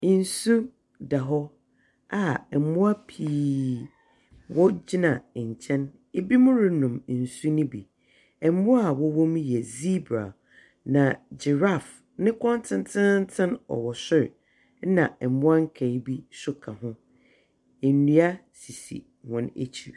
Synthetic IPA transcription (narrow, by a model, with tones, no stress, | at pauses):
n̩˨su˦ | da˨ɦɔ˦ | a˨ɛ˨mʊ̃˦a˦pʰiː˨˦ | wɔ˦d͡ʑɪ˦nã˨ɲ˨t͡ɕʰɛ̃˦n | e˦bi˦mʊ̃˦ɾɪ˦nʊ̃˨m˨n̩˨su˦nĩ˦bi˨ | ɛ˨˦mʊ̃˦a˨wɔ˦wɔ̃˦m̃˦jɛ˨zi˦bɾa̰˨ | nã˨d͡ʑɪ˨ɾa˦˨f | nɪ̃˦kʰɔ̃˦n˦tʰɪ̃˦n˦tʰɪ̃˦n̩˦tʰɪ̃˦nɔ̰˨wɔ˨sɪ˦ɾ̩˨˦ | nã̰˨ɛ˨mʊ̃˦a˦ŋ̩˦kʰa˨i˦bi˦sʊ˦kʰã˨hʊ̃˦ | e˨nĩ˨˦a˦si˨sḭ˨ | hɔ̃˨nḛ˦t͡ɕʰi˨ɾ